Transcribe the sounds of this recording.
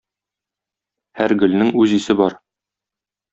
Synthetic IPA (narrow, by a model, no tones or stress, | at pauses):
hæɾɡɵ̆lnɘŋʉzisɘbɒɾ